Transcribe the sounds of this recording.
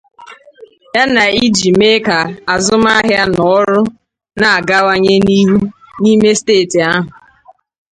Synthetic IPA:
ja˦na˨i˦d͡ʒi˨me˦ka˨a˨zʊ˦m˦a˦ɦja˦nɔ˨˦ɾʊ˦ | na˨a˨ɡa˦wa˦ɲe˦ni˦ɦu˦ | ni˦me˦steː˦˨ti˨a˦ɦʊ˨

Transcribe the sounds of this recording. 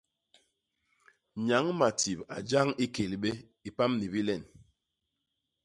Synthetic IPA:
ɲa˨˦ŋma˨ti˨pa̰˨d͡ʒa˦ŋi˦ke˨lɓe˦ | i˨pa˦mni˨bi˦lɛ˦˨n

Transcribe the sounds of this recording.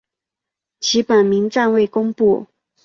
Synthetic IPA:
t͡ɕʰi˧˥pə˨˩nmi˧˥ŋʈ͡ʂa˥˧nwe˥˩ɪkʊ˥ŋpu˥˩

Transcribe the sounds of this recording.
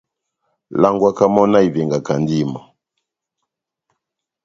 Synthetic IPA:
la˦ŋɡwa˦ka˦mɔ˦na˦i˨vɛ˨ŋɡa˨ka˨ndi˦ma˨

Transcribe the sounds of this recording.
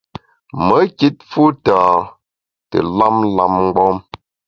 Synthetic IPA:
mə˨˦ki˦t̚fu˦ta˨ | tə̰˨la˦mla˦mŋ˦ɡ͡bɔ˦m

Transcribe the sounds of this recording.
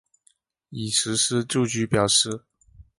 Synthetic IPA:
i˨˩ʂɻ̩˧˥ʂ̩˥t͡ɕju˥˩t͡ɕy˧˥pjɑ˨˩ʊʂɻ̩˥˩

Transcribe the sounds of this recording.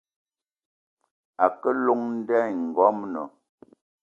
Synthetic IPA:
a˨kə˦lo˦˨ŋn̩˦dɛ˦˨ŋ̩˨ɡɔ˦mnɔ˨

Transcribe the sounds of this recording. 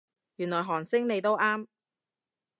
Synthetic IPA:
jy˨˩nlɔː˨jɦɔː˨˩ŋsɪ˥ŋne˨˧jt̪o˥wʔaː˥m

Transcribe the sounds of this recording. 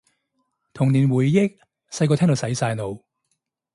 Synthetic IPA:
t̪ʰʊ˨ŋniː˨˩nwuː˨˩jːɪ˥k̚ | sɐ˧jk̬ɔː˧tʰɛː˥ŋt̪o˨˧sɐ˨˥jsaː˧jno˨˧w

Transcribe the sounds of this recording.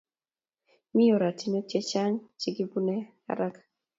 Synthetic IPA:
mɪ˦jo˨ɾa˨ti˨no˦t͡ʃe˦t͡ʃa˦ŋt͡ʃi˦ɡi˦bu˦nɛ˦ | a̰˦ɾa˦k

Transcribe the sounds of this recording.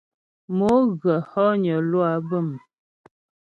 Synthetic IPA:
mo˨˦ɣə˨hɔ˦ɲə˨lwa˨˦bə˦˨m˨

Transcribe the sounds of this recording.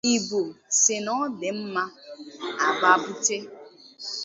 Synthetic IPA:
i˨bo˨sɪ˨nɔ˦dɪ˨m̩˦ma˦a˨ɡ͡ba˨bu˦te˦

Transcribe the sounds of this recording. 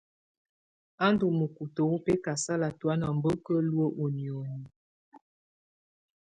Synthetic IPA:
a˦n˦du˨mə˨ku˨tə˨wo˦pɛ˦ka˨sa˦la˨twa˦na˨m˨˦bə˦kə˦lwə˦ʔo˨njo˨nu˨˦

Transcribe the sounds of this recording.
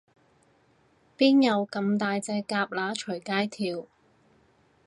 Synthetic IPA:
piː˥njɐ˨˧wkɐ˧mt̪aː˨˧jt͡sɛː˧kaː˧p̚laː˨˥t͡ʃʰɵ˨˩jkaː˥jt̪ʰiː˧w

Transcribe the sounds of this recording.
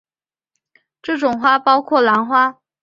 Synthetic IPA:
ʈ͡ʂɤ˥˩ʈ͡ʂʊ˨˩ŋxwa˥pɑ˥ʊkʰwɔ˥˩la˧˥nxwa˥

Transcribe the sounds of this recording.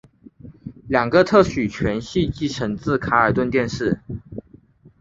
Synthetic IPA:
ljɑ˨˩ŋɡə˦t̪ʰɤ˥˩ɕy˨˩t͡ɕʰɥɛ˧˥nɕi˥˧t͡ɕi˥˩ʈ͡ʂʰə˧˥ŋt͡sɹ̩˥˩kʰa˧˥ə˞˨˩t̪wə˥˧nt̪jɛ˥˧nʂɻ̩˥˩

